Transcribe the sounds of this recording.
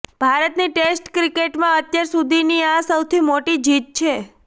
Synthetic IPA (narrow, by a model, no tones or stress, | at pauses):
b̥ʱaɾət̪niʈesʈkɾikeʈmãət̪jaɾsud̪ʱiniãsəwt̪ʰimoʈid͡ʒit̪̚t͡ʃʰe